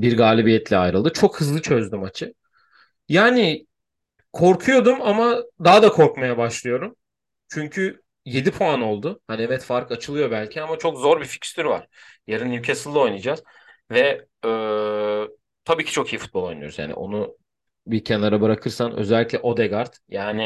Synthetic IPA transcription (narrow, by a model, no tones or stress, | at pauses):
biɾɡaːlʲibijɛt̪lʲɛajɾɯlˠd̪ɯt͡ʃʰo̞khɯzlˠɯt͡ʃʰø̞zd̪ymat͡ʃʰɯ | jaːnɪ | kʰo̞ɾkʰujo̞d̪umamad̪aɦd̪akʰo̞ɾkmajabaʃlˠɯjo̞ɾum | t͡ʃʰyɲcʰy | je̞d̪ipʰoano̞lˠd̪ʊhaniɛvɛt̪faɾkat͡ʃʰɯlˠɯjo̞bælʲcʰiamat͡ʃʰo̞kzo̞ɾbifi̥cst̪ʰyɾva̰ɾ̥jaɾɯnjʲcʰesɯlˠːɯo̞jnɯd͡ʒaːz | vɛ | øː | t̪ʰabiːcʰi̥t͡ʃʰo̞kʰijifut̪̚b̪ˠo̞jnujoɾzja̰ːnḭʔo̞̰nu | biɾcʰænlˠaɾabɯɾakʰɯɾsanʔø̰zɛlʲːiclʲɛʔo̞d̪ɛɡaɾt̪jaːnɪ